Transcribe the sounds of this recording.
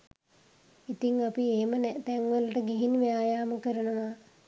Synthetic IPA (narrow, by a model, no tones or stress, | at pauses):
it̪iŋapieɦemənɛt̪ɛŋʋələʈəɡiɦinʋejaːjaːməkəɾənəʋa